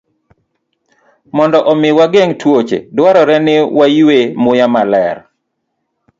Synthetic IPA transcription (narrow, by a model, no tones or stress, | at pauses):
mɔndɔʔɔmɪwaɡeŋtwot͡ʃḛdwaɾɔɾɛnɪwajwemʊjamalɛr